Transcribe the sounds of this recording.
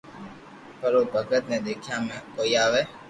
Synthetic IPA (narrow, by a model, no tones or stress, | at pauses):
pəɾoːbʱəkət̪nẽːd̪eːkʰjaːmẽːkoːiaːʋeː